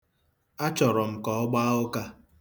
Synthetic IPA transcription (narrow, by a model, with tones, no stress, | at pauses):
a˦t͡ʃɔ˨ɾɔ˨m̩˨kɔ˨ɔ˦ɡ͡ba˦ʊ˦ka˦